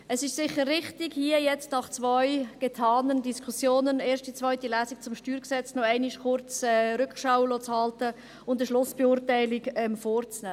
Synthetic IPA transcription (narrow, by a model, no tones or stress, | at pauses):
ɛsɪʃsɪχːəɾːɪχtɪɡhiəjɛt͡stnɑχt͡svœʏɡ̥etʰɑːnəndiskʰusjoːnəneːɾʃtit͡svœʏtilæːsik̚t͡sʊmʃtyːɾksɛt͡snɔɛɪnɪʃkʊɾt͡sɛːɾʏkʃaʊlot͡shɑltə | ʊndəʃlʊsb̥ɛʊːɾtaɪlɪɡɛmfoːɾt͡snæː